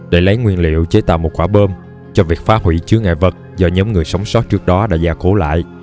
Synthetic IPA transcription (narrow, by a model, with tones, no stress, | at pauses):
ɗe˧˩jlə˨˦jŋwi˧ənlḭ˧˨əwt͡ɕe˨˦t̪a̰ː˧˨wmo˨˩t̚kwaː˧˩ɓəː˧m | t͡ɕɔ˧vi˨˩ək̚faː˨˦˥hwḭ˧˩˨t͡ɕɨ˨˦əŋa̰ː˧˨jvə˨˩t̚zɔ˧ɲəː˨˦wŋ͡mŋɨ˨˩əjsə˨˦wŋ͡mso˦˥t̚t͡ɕɨ˦˥k̚ɗɔ˨˦ɗa̰ː˧˥zaː˧˩ko˧˦la̰ː˧˨j